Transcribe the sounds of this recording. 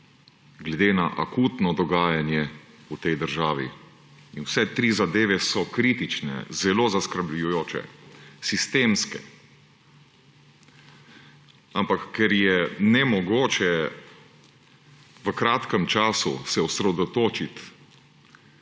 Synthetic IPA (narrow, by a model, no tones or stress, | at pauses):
ɡlɛd̪eːnaʔakuːt̪nɔd̪ɔɡaːjanjɛ | ut̪ɛjd̪əɾʒaːʋḭ | inwsɛt̪ɾizad̪eːʋɛsɔkɾit̪it͡ʃnɛ̰zɛloːzaskəɾblujujoːt͡ʃɛ̰sist̪eːmskɛ̰ | ampakːɛɾjɛnɛmɔɡoːt͡ʃɛ | ʋəkɾaːt̪kəmt͡ʃaːsṵsɛusɾɛd̪ɔt̪oːt͡ʃit̪